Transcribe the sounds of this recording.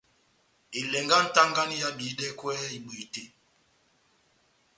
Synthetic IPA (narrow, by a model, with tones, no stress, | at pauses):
i˨lɛ˨ŋɡa˦n̩˦ta˦ŋɡa˦ni˦ja˦bi˨˦dɛ˦kwɛ˦i˨ɓu˨te˦